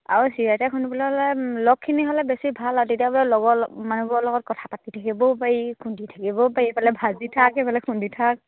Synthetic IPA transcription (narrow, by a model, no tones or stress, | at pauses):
a̰ɹusiɹajtakʰunipalɛɦɔlɛlɔkʰːiniɦɔlɛbesibʱalatetijabɔlɛlɔɡɔɔmanubɔɹlɔɡɔt̚kɔtʰapatitʰakibɔpajikʰunditʰakibɔpajiɛpalɛbʱazitʰakɛpalɛkʰunditʰak̚